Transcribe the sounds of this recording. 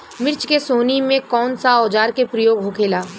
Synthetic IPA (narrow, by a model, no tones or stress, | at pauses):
mɪɾt͡ʃkesoːnimẽkɔːnsaɔːd͡ʒaːɾkepɾəjoːɡɦokʰeːlaː